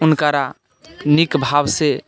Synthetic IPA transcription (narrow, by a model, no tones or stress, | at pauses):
unkaɾa | nikbʱabse